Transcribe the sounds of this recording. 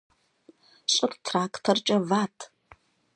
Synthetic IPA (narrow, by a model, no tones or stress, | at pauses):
ɕʼɨtʰtʰraːkʰʼtʰɐrt͡ʃʼɐvaːtʰ